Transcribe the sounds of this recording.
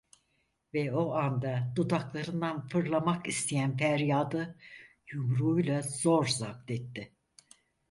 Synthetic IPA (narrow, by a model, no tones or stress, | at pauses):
vɛo̞and̪ad̪ud̪aklˠaɾɯnd̪anfɯɾlˠamakist̪ʰejænfæɾjaːd̪ɯ | juβɾuːujlˠaz̥o̞ɾzab̚t̪ɛt̪ʰːɪ